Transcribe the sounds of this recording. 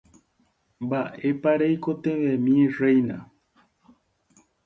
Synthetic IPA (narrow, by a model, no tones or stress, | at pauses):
mbaʔepaɾejkot̪ẽʋemĩẽrejnã̰